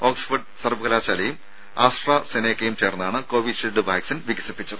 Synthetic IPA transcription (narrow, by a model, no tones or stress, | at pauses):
o̞ːksfɐɖsɐrbɐɣɐlaːɕaːlɐjum | aːsʈraːseneːkːɐjumt͡ɕeːrnːaːɳɨko̞ːʋiʂeɖɨbaːjksɐnʋiɡɐsipːit͡ɕːɐðɨ